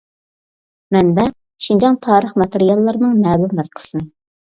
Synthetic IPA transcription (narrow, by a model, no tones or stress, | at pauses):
mɛnd̪ɛ | ʃind͡ʒɑnt̪ʰɑːɾəχmɑt̪eɾijɑlˠːɑɾnɨŋmæːlumləɾqʰə̥sɨnɨ